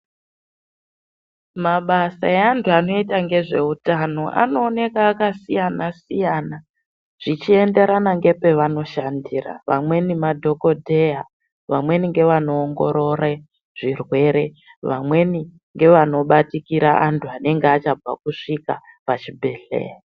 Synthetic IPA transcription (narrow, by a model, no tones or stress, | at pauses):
maɓasa̰eantʰuano̞itaŋɡe̞ʐe̞utano̞ʔa̰no̞ːne̞kaːkasijanasijaːna | ʐ̥it͡ʃie̞nde̞ɾanaŋɡe̞pe̞ʋano̞ʃandira̰ʋa̰mwe̞nimadʱo̞ko̞dʱe̞ja | ʋamwe̞niŋɡe̞ʋano̞ːŋɡo̞̰ɾo̞ɾe | ʐ̥irwe̞ɾe̞ | ʋa̰mwe̞ni | ŋɡe̞ʋano̞ɓatikiɾaʔantʰuane̞ŋɡeat͡ʃab͡va̰kuʂika | pat͡ʃibʱe̞ɬḛːra